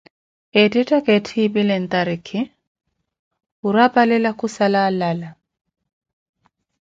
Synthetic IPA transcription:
edʼitʼakʼetʰibilɛn̩t̪ʼaɾikʰɪ | uɾapʼalɛlakusalalala

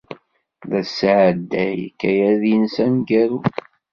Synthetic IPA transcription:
ðæsʕd̪ːæjkːæjæðinsænɡæɾu

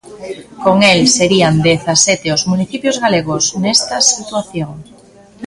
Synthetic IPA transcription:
koŋelseɾiand̪eθaset̪eozmuniθipjozɣaleɣoznest̪ɐsit̪waθjoŋ

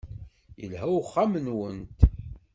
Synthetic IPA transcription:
jə̰lɦæwχːamənwənt̪

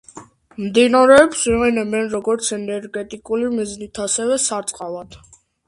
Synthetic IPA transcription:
md̪inaɾɛɔpsiʁɛnɛbɛnɾɔɡɔɾt̪sʰɛnɛɾɡɛt̪ʼikʼulimiznit̪ʰasɛvɛsaɾt̪sʼqʼalat̪ʰ

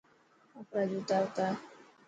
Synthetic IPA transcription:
apɾad͡ʒut̪awt̪a

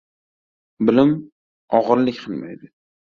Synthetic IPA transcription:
bɪlɪm | ɒʁɨɾlɪkʲqʰɨlˠma̰jd̪ɪ

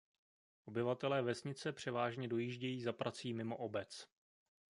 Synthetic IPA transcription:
ʔo̞bɪvat̪ɛlɛːvɛsɲɪt͡sɛpr̝̥ɛvaːʒɲɛdo̞jiːʒɟɛjiːzapɾʔat͡siːmɪmo̞ʔobɛt͡s

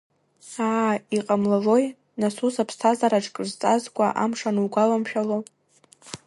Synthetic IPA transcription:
aːiqʼamlaʒo̞j | nasusapʰstʰazaɾaʈ͡ʂʰʼkʼɨzt͡sʼazkʷʼaʔamʂanɨwɡʷalamʃᶣalo

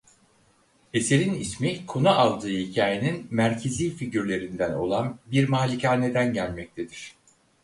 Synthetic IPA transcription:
e̞se̞ɾinismikʰo̞nualˠd̪ɯːhicʰaːjeninmæɾcʰe̞ziːfiɟyɾlʲe̞ɾind̪æno̞̰lˠanbiɾmaːlʲicaːne̞d̪ænɟælʲmɛc̚t̪ʰe̞d̪iɾ̥

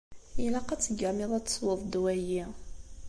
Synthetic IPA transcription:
ilaqæt͡sːəɡæmiðˤæt͡sːsˤwəðˤd̪wæji

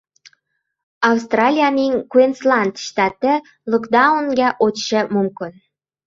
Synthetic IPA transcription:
ɑwst̪rɑlʲijaninʲkuenslɑnt̪ʃt̪ɑt̪ĕ | lokd̪ɑunɡæʔotʃĕmumkon

